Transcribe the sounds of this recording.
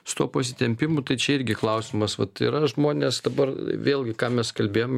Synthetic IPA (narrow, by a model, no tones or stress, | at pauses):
sʊ̥t̪uɔpɐsʲɪt̪ʲɛmʲpʲɪmʊt̪ɐɪt͡ʃʲɛɪɾʲɡʲɪklˠɐʊsʲɪmɐsʋɐt̪ḭɾɐʒmoːnʲeːsd̪ɐbɐrʋʲeːlʲˠɡʲɪkɑːmʲɛskɐlʲbʲeːjom